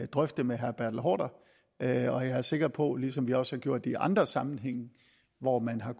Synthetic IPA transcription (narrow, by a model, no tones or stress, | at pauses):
d̥ʁœfd̥əmeɦæɐb̥æɐd̥l̩ɦɒ̰ːd̥ɐ | ɒ̽jaæɐse̝ɡ̥ɐpʰɒ̽lisɒ̽mʋiɒ̽shɑ̈ɡ̥jo̝ɐ̰d̥ːeiʔɑ̈nd̥ʁɐsɑ̈mn̩ɦeŋ̰n̩ | ʋɒmænɦɑ̈k